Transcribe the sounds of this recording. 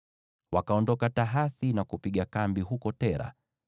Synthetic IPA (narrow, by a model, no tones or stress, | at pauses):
wakaɔndɔkataɦaθinakupiɠakambiɦukɔtɛɾa̰